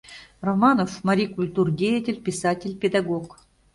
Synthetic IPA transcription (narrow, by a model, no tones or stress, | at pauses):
rɐmanofmɐɾʲikʊlʲt̪urdʲejɪtʲɪlʲpʲɪsatʲɪlʲpʲɪd̪ɐɡok